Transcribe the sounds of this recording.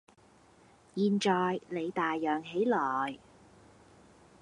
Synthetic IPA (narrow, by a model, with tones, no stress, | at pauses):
jiː˨˧nt͡ʃɔː˨˧jle˨˧jt̪aː˨jːœː˨ŋɦe˨˥jlɔː˨˩j